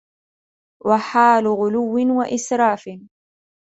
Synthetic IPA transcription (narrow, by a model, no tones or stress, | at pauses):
waħaːlʊɣʊlʊwːɪnwaʔɪsɾˤɑːfɪ